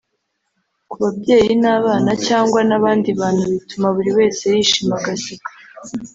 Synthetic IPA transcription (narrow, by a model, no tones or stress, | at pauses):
kuβabje̞ːjinaβaːnacaːŋɡwanaβaːndiβaːn̥huβitumaβuɾiwe̞ːsejiʃimaɡasiɡḁ